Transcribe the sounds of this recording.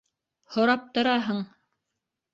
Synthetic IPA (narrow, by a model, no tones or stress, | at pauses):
hŏɾɑp̚t̪ŏɾɑɦɤɴ